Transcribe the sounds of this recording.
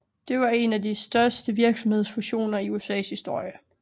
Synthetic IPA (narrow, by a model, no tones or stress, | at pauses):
d̥e̝ʋɑ̈e̝nædisd̥ɶɐsd̥əʋiɐɡ̥sɒ̽mhe̝ð̞̰ˠsfuɕo̝̰ːnɐiuesɛ̰ːshisd̥o̝ɐ̰jə